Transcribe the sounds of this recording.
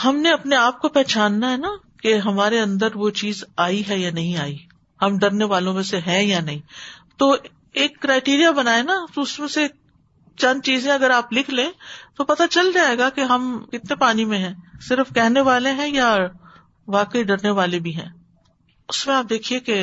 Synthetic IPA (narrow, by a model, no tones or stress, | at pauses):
hɐmneɐpneaːp̚kopɛɦːt͡ʃaːnːaɦɛna | keɦɐmaːɾeɐ̃nd̪əɾʋot͡ʃiːzaːiɦɛjanɐɦĩaːi | hɐmɖɐɾneʋaːlõmẽseɦɛ̃janɐɦĩt̪oː | eːkːɾaːɪʈiːɾijabɐnaːenat̪oʊsmẽse | t͡ʃãnd̪t͡ʃiːzẽɐɡəɾaːplɪkʰlẽːt̪opɐt̪at͡ʃɐld͡ʒaːɦeːɡakeɦɐmkɪt̪nepaːnimẽɦɛ̃ːsɪɾfkɛɦneʋaːlẽɦɛ̃ja | ʋaːkəiɖɐɾneʋaːlebʱiɦɛ̰̃ː | ʊsmẽaːp̚d̪eːkʰieke